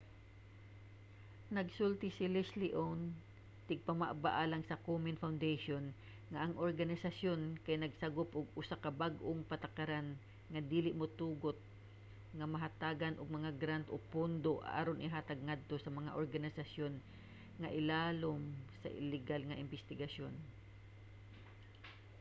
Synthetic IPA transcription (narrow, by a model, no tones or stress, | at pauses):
nɐɡsult̪ɪsɪlɪslɪʔon | t̪ɪɡ̚pɐmaʔbaʔalaŋsɐkomɪnfawnd̪eʃon | ŋɐʔɐŋʔoɹɡɐnɪsɐsjonkajnɐɡsɐɡopʔʊɡ̚ʊsakɐbaɡʔoŋpɐt̪akaɾan | ŋɐd̪iːlɪʔmot̪uːɡot̪̚ | ŋɐmɐɦat̪aːɡanʔʊɡ̚mɐŋaɡɾant̪ʔopʊnd̪oʔʔaɾonʔɪɦaːt̪aɡ̚ŋad̪̚t̪osɐmɐŋa̰ʔoɹɡɐnɪsɐsjon | ŋɐʔɪlaːlomsɐ̰ʔɪ̰lɪɡalŋɐʔɪnbɛst̪ɪɡɐsjon